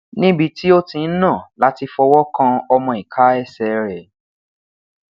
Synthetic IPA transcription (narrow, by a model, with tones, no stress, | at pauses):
nĩ˦bi˧ti˦o˦tĩ˧n̩˦nã˦˨la˨˦ti˧fɔ˧wɔ˦kã˧ɔ˧mɔ̃˧i˨kʰa˨˦ɛ˦˨sɛ˧˨ɾɛ˨